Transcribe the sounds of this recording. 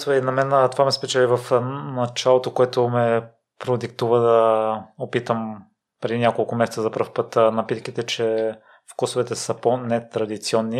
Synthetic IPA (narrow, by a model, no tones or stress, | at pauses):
vɛinɐmɛnt̪ovamɛspɛt͡ʃɛlʲivɐfnɐt͡ʃalˠot̪okoɛt̪omɛ | pɾod̪ik̚t̪uvəd̪ɐopit̪əm | pɾɛd̪inʲjakolˠkʊmɛsɛt̪səzɐpɾəɾfpɤt̪nɐpit̪k̟it̪ɛt͡ʃɛ | fkusovɛt̪ɛsəponɛt̪ɾɐd̪it̪siɔnːi